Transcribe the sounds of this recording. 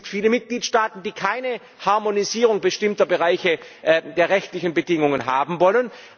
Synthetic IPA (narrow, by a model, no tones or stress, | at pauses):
tfiːləmɪt̚ɡ̥liːtʃtaːtn̩d̥iːkʰaɪnə | haɐmoniziːʁʊŋbəʃtɪmtɐbəʁaɪçəʔdeːɐʁɛçtlɪçən̩bədɪŋʊŋənɦaːbm̩vɔlən